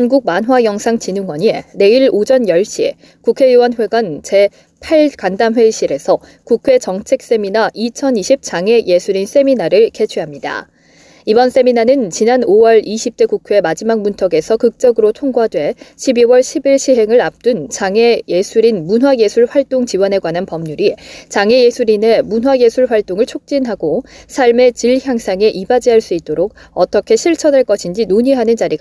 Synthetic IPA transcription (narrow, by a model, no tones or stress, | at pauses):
hanɡuɡ̚manɦwajʌŋsʰaŋt͡ɕinɯŋwʌɲiene̞iɭod͡ʑʌnjʌɭɕ͈ie̞̰ | kukʰe̞juwʌnɸwe̞ɡwant͡ɕe̞ | pʰaɭkandamwe̞ɕ͈ʰiɾe̞sʰʌ | kukʰwe̞t͡ɕʌŋt͡ɕʰe̞k̚s͈e̞minaʔit͡ɕʰʌniɕʰip̚t͡ɕ͈aŋe̞je̞sʰuɾins͈e̞minaɾɯɭke̞t͡ɕʰeɦamɲida̰ | ibʌns͈e̞minanɯnt͡ɕinanowʌɭiɕʰip̚t͈e̞kukʰwe̞mad͡ʑimaŋmuntʰʌɡe̞sʰʌkɯk̚t͡ɕ͈ʌɡɯɾotʰoŋɡwadwe̞ɕʰibiwʌɭɕʰibiɭɕʰiɦe̞ŋɯɾap̚t͈unt͡ɕaŋe̞je̞sʰuɾinmunɦwaje̞sʰuɭɸwaɭt͈oŋt͡ɕiwʌne̞ɡwananpʌmɲuɾit͡ɕaŋeje̞sʰuɾine̞munɦwaje̞sʰuɭɸwaɭt͈oŋɯɭt͡ɕʰok̚t͡ɕ͈inɦaɡosʰaɭme̞t͡ɕiɭçjaŋsʰaŋe̞ʔibad͡ʑiɦaɭs͈uit̚t͈oɾok̚ʌt͈ʌkʰe̞ɕʰiɭt͡ɕʰʌnaɭk͈ʌɕʰind͡ʑinoɲiɦanɯnd͡ʑaɾiɡ